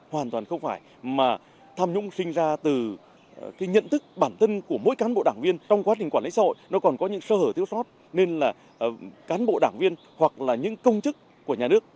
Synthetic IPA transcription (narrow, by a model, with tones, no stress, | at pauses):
hwaː˨˩nt̪waː˨˩nxə˧wŋ͡mfaː˧˩j | maː˨˩ | t̪ʰaː˧mɲʊ̰˧˥ŋ͡msï˧ŋ̟zaː˧t̪ɨ˨˩ | kaː˨˦jɲə̰˧˨nt̪ʰɨ˦˥k̚ɓaː˧˩nt̪ʰə˧nku˧˩əmo̰˧˥jkaː˨˦nɓo̰˧˨ɗaː˧˩ŋvi˧ənt͡ɕɔ˧wŋ͡mkwa˨˦˥t͡ɕi˨˩ŋ̟kwaː˧˩nlḭ˧˥saː˧ho̰˧˨jnɔ˨˦kɔ˨˩nkɔ˨˦ɲɨ̰˧˥ŋsəː˧həː˧˩t̪ʰi˧˥əwsɔ˦˥t̚ | ne˧nlaː˨˩ | kaː˨˦nɓo̰˧˨ɗaː˧˩ŋvi˧ən | hwa˨˩k̚laː˨˩ɲɨ̰˧˥ŋkə˧wŋ͡mt͡ɕɨ˦˥kːu˧˩əɲaː˨˩nɨ˦˥ək̚